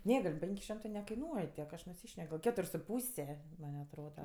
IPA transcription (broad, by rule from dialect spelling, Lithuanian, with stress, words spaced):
ˈnʲɛ ɡɐlʲ ˈpʲɛŋʲkʲ ˈʃʲɪmtɜ nʲɛkɐɪˈnuɔj tʲiɛk ɐʃ nʊˈsʲiːʃʲnʲɛk ɡɐlˠ ˈkʲæːtʊrʲ sʊ ˈpuːsʲɛ mɐnʲ ɐtˈroːdɐ